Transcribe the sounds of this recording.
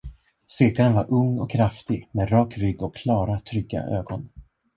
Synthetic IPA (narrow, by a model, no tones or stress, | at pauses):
sɪːkaɾənvaɾʔɵŋːɔ̰kʰːɾaft̪ɪɡmɛd̪ɾɑːkɾʏɡːɔkʰːlɑːɾat̪ʰɾʏɡːa̰ʔø̰ːɡɔn